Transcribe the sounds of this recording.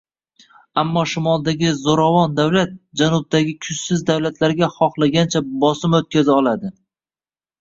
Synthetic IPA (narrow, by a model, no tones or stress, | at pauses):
amːɒʃɪmɒlˠd̪aɡʲɪzoɾavɒnd̪awlat̪̚d͡ʒanʊb̚d̪aɡʲɪkʰʊt͡ʃsɪzd̪awlat̪laɾɡʲaχɒχlˠaɡʲant͡ʃʰabɒsɪmot̪̚kʲazɪɒlˠad̪ɪ